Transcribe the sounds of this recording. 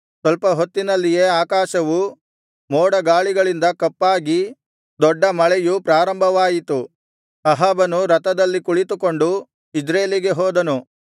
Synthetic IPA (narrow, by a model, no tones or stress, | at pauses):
sʋɐlpɐɦot̪ːinɐlːije̞ːaːkaːʃɐʋu | moːɽɐɡaːɭiɡɐɭind̪ɐkɐpːaːɡi | d̪ɔɖːɐmɐɭɛjupɾaːɾɐmbʱɐʋaːjit̪u | ɐɦaːbɐnuɾɐt̪ɐd̪ɐlːikuɭit̪uko̞ɳɖu | id͡ʒɾeːliɡe̞ɦɔːd̪ɐnu